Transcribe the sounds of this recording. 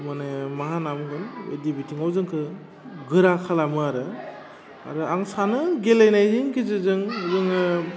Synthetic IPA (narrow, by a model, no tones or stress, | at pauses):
manemaɦanamɡɯnwḛdibitʰiŋawzɯŋkʰɯ | ɡɯɾakʰalamɯaɾɯ | a̰ɾɯaŋsanɯɡelejnajziŋkʰizɯzɯŋwzɯŋɯ